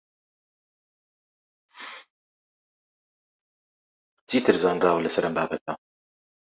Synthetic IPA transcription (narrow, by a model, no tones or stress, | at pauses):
t͡sʰiːt̪ʰɨɾzaːnraːwɐlɐsɐɾɐmbaːbɐt̪̚ɐ